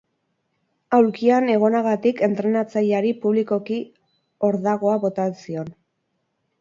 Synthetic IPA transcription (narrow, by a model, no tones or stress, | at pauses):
awɾkiane̞ɣ̞o̞naɣat̪ike̞nt̪ɾe̞nat͡sajaɾipuβliko̞ki | o̞ɾðaɣ̞o̞aβo̞t̪asio̞n